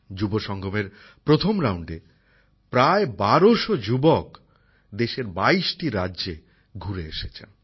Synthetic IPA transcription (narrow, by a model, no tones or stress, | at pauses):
d͡ʑuboʃɔŋɡʱomeɾ | pɾot̪ʰomɾawɳɖe | pɾaebaɾoʃod͡ʑubok | d̪eʃeɾbaiʃʈiɾadːʑe | ɡʱuɾeḛʃet͡ɕʰen